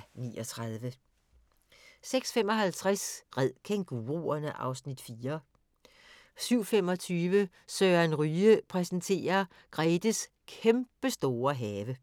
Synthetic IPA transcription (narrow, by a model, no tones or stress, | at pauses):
niːʔɒt͡sʰʁɑðˠʋə | seɡ̥sfem̰ɒ̽ɦælt͡sʰʁasʁɛð̰ˠkʰeŋɡ̥uʁuːɐnəʔɑ̈ʊsnid̥fiːɐ | syʊ̰fem̰ɒ̽t͡sʰyːʋə | søːænʁyːəpʰʁɛsnt͡sʰe̝̰ːɐ | ɡ̥ʁɛːd̥əs | kʰemb̥əsd̥o̝ːɐɦɛːʋə